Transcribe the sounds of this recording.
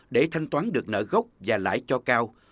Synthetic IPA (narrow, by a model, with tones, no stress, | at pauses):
ɗe˧˩t̪ʰa˧jŋ̟t̪waː˨˦nɗɨ˨˩ək̚nə̰ː˧˩ɣə˦˥wk͡p̚vaː˨˩la̰ː˧˨jt͡ɕɔ˧kaː˧w